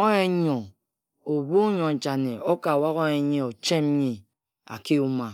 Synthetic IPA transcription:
o˦je˦ɲo˨ | o˨bu˦ɲo˨n˨t͡ʃa˨ne˨o˦ka˨wa˦ɣo˦je˨˦ɲe˦o˨t͡ʃe˦m˦ɲi˨ | a̰˨ke˦u˦ma˨

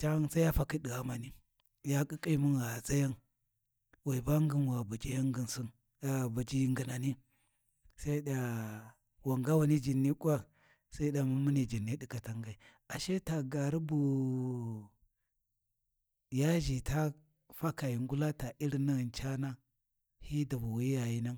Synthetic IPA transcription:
t͡ʃa˦nsa˦ja˦fa˦ki˦ɗi˨ɣa˨ma˨ni˦ | ja˦kʼi˦kʼi˦mu˦nɣa˨za˦ja˦n | wa˨i˨ba˦ŋɡi˦nwa˨ba˨t͡ʃi˦ja˦ŋɡi˨nsi˦n | a˨ba˨d͡ʒi˦ŋɡi˨na˨ni˦ | sa˦i˦ɗa˨ | wa˨ŋɡa˦wa˨ni˦d͡ʒi˨nːi˦kʼu˦a˦ | sa˦i˦ɗa˨mu˦mu˦ni˨d͡ʒi˨nːi˦ɗi˦ka˨ta˦ŋɡa˨i˨ | a˨ʃe˦ta˨ɡa˨ɾi˦bu˨ | ja˦ʒi˨ta˦ | fa˦ka˨ji˨ŋɡu˦la˦ta˨i˦ɾna˦˨nt͡ʃa˦na˦ | hi˦da˨bu˨wi˦ja˨ji˦na˦ŋ

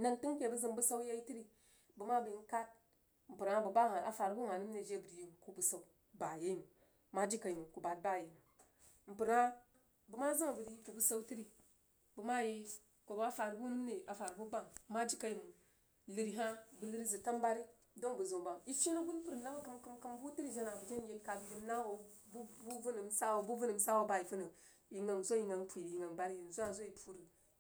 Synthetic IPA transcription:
na˦˨ntu˦ŋke˨bu˦zi˨mbu˦sa˦u˦ja˦i˦ti˦ɾi˦˨ | bu˨ma˦bu˨i˦n˦ka˦t̚ | m̩˨pu˨ɾa˦bu˨ba˦ɦa˨a˨fa˨ɾbu˦m˨a˨nu˦mne˨d͡ʒe˦bu˨ɾji˦m˨ko˦bu˨sa˦u˦ | ba˨je˦i˦mu˨ | ma˦d͡ʒi˦ka˨i˨mu˨ku˨ba˨t̚ba˦˨je˨m˨ | m̩˨pu˨ɾa˦ | bu˨ma˦za˦˨bu˨ɾi˨˦ku˨bu˦sa˦u˦ti˦ɾi˨ | bu˨ma˦je˦ | ko˨ba˦fa˨ɾbu˦nu˦m˦ne˨ʔa˨fa˨ɾbu˦ba˨ŋ˦ma˦d͡ʒi˦ka˦ji˨m˨ | lɨ˨ɾi˨ɦa˦bu˨lɨ˦ɾi˦zɨ˨ta˦m˦ba˦ɾi˦ | do˦ŋbu˨zu˨ba˨ŋi˦ʃi˦na˦ɡu˦npu˦ɾna˦ba˦kɨ˦mkɨ˦mkɨ˦m˦bu˦ti˦ɾi˦d͡ʒe˦na˨bu˨d͡ʒe˦n˦ji˦lka˨bi˨ji˦na˦wo˨ | bu˦bu˦vu˦nɨ˨m˦sa˦wo˨bu˦vu˦nɨ˨m˨˦sa˦wo˦ba˦i˨fu˦nə˨ | i˨ŋa˨n˨zo˦ji˨ŋa˨npu˨i˨i˨ŋa˨ŋba˦ɾi˦ji˨n̩˨zu˦a˨zo˦ji˨pʰu˦ɾi˨

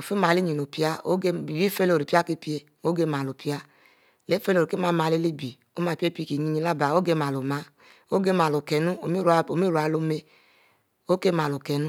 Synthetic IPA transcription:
o˨fi˦ma˨li˦ɲi˨no˨pi˦a˦o˦e˧i˨bi˦fe˧˦lo˨ɾi˨pi˦a˦˨ki˧˦pi˦e˧ | o˦ɡe˧ma˨lo˨pi˦a˧˨ | le˦fe˦lo˨ɾi˨ke˦ma˧˨ma˧˨le˧˦li˦bi˨ | o˦ma˧˨pe˦pi˧˨ki˨ɲi˧ɲi˧˦la˦˨ba˨o˦ɡe˧ma˨lo˨ma˦ | o˦ɡe˧ma˨lo˨kɛ˨nu˦o˨mi˦ɾa˧o˨mi˦ɾu˨a˨˧lo˧me˧ | o˦ke˦ma˨lo˨kɛ˨nu˦

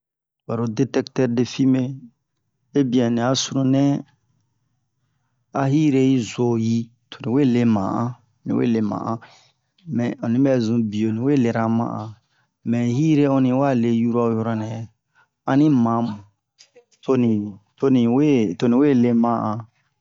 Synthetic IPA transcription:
wa˨ɾo˨de˦tɛ˦ktɛ˦ɾde˨fi˦me˦ | e˦bĩ˨ɛ̃˨nĩ˨a˨su˦ɾũ˦nɛ̃˦ | a˦ɦi˦ɾe˦ji˦zo˨ji˦ | tʰo̥˨nĩ˨we˦˨le˦mã̰˨ʔã˦ | nḭ̃˨wḛ˦le˨mã̰˨ʔã˦ | mɛ̃˨ɔ̃˨nĩ˦bɛ˦zũ˨bi˨o˨nĩ˨we˦˨le˨ɾã˨mã̰˦ʔã˨ | mɛ̃˨hi˦ɾe˦ɔ̃˧nĩ˨˦wa˦le˨ju˦ɾa˦jɔ˨ɾɔ˦nɛ̃˨ | a˦nĩ˦mã˨m˨ | to˦nĩ˨to˦nĩ˨we˦to˨nĩ˨we˦˨le˦mã˦ʔã˨

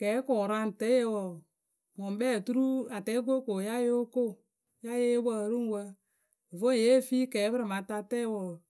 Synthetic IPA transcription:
kɛː˨˦kʊ˨ɾa˦n˨tɛ˦je˧wɔ˨ | mɔ˨m˦bɛː˦˨tu˦ɾu˦a˨tɛ˨˦ɡo˦ko˨ja˦je˦o˦ko˦˨ | ja˦je˦wə˦˨ɾu˦ŋ˦wə˧˨ | vo˦˨je˦˨fi˦kɛː˨˦bɨ˦ɾɪ˨ma˨ta˧tɛ˦wɔ˨

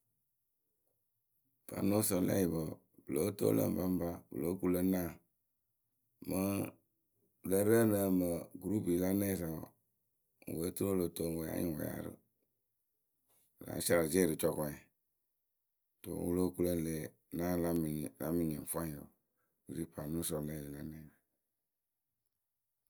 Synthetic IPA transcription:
b̥a̰˨˦no˦sə˨lɛ̰˦ji˨bə˨ | bɨ˨lo˨˦to̰˦lə̰˦m˨ba˦m˦ba˦bɨ̰˨lo˦ku˦lə˦nã˦˨ | mə˦ | lə˦ɾə˦˨nə˦˨mə˨ɡɾu˦pi˨la˦nɛ̃˦˨za˨w̰ | ŋ̩˨we˨˦tu˦ɾo˦lo˨to˦˨ŋ˨we˨ja̰˦ɲĩ˨wɔ̰˨ja̰˨˦ɾɨ̰˦˨ | ɾa̰˨˦sa˦la˨d͡ʒe˦˨ɾɨ˨t͡ʃɔ˧kɔ̃˨˦a˨ | to̰˨wu˦lo˦ku˦lə˦˨leː˨ | nã˦la˦m˨la˦mĩ˨ɲĩ˨ŋ˨fã˦ɲ˨o̰˨ | wu˨ɾi˦pa˨nũ˦sɔ˨lɛ˨i˨la˦nɛ̃˦˨a˨

